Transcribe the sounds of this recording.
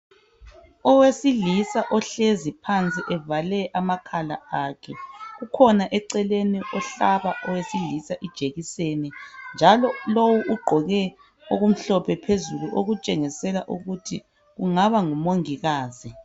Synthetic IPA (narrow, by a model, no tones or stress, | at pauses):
ɔwesilisaʔɔɬezipʰant͡sʼiʔɛvalɛʔamakʰala̰akʰɛɣukʰɔnaʔɛǀɛleniʔɔɬaβaʔɔwesiɮisaʔid̥ʒ̥ʱeɣisenind͡ʒʱalɔlowuuɡ͡ǃʱɔɣɛ | oɣum̩ɬɔpʰɛpʰezuluʔoɣut͡ʃʼeŋisɛlaʔuɣutʰi | ɣuŋaβaŋumoŋiɣaːzi